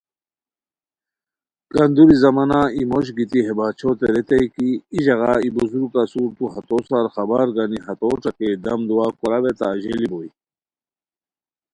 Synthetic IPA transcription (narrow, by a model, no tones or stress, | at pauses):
kɐnd̪uɾizɐmɐnaimoɕ̬ɡit̪iɦebat͡ɕʰot̪eɾet̪ejkiːʑɐɣaibuzuɾukasuɾt̪uɦɐt̪osaɾxɐbaɾɡaniɦɐt̪oʈ͡ʂɐked̪ɐmd̪uwakuɾaβet̪aːʑeliboi